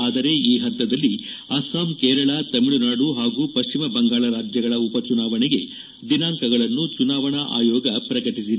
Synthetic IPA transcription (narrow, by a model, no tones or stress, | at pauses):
aːd̪ɐɾe̞iːɦɐt̪ːɐd̪ɐlːiɐsaːmkeːɾɐɭɐt̪ɐmiɭunaːɽuɦaːɡuːpɐʃt͡ʃimɐbɐŋɡaːɭɐɾaːd͡ʒjɐɡɐɭɐupɐt͡ʃunaːʋɐɳɛɡe̞ | d̪inaːŋkɐɡɐɭɐnːut͡ʃunaːʋɐɳɐʔa̰ːjɔːɡɐpɾɐkɐʈis̬id̪e